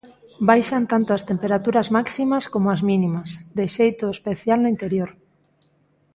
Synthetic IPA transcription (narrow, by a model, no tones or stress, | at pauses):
bajʃant̪ant̪oɐst̪empeɾat̪uɾɐzmaksimɐskomoazminimɐsd̪eʃejt̪oespeθjalnʊint̪eɾjoɾ